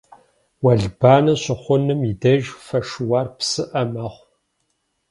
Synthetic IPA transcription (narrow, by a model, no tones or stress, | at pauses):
wɐɮb̥aːnɐɕʊχʷʊnɨmidɐʒfɐʂɨwɑːrpsɨʔɐmɐʁʷ